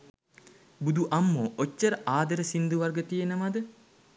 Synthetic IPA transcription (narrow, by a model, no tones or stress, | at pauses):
bud̪uʔɐmːoot͡ʃːəɾəʔaːd̪ɐɾəsind̪uʋarɡət̪ijenəmad̪ə